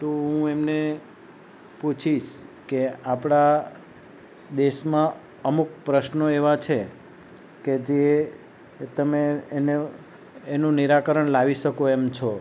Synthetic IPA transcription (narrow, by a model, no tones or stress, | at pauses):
t̪oɦũemne | put͡ʃʰiʃkeapɽa | d̪eʃmã | əmuk̚pɾəʃnoeʋat͡ʃʰe | ked͡ʒe | t̪əmeːneː | nũniɾakəɾəɳlaʋiʃəkoemt͡ʃʰo